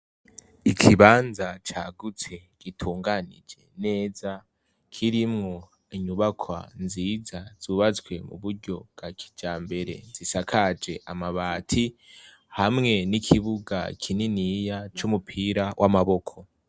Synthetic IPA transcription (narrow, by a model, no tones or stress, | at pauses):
ikʰiβaːnzat͡ʃaːɡut͡se̞ɡ̥itʰuːŋɡanḭd͡ʒe̞̰ne̞ːza | kʰiɾimŋo̞ | iɲuβakʰwa̰nziːzaz̥uːβat͡swe̞mṵβuɾɟo̞bɡ̥akʰi̥d͡ʒaːmbe̞ɾe̞̰z̥isakʰad͡ʒe̞ʔamaβaːtʰi | hamŋe̞nikʰiβuɡa̰kʰininijat͡ʃumupʰiːɾawʔamaβo̞kʰo̞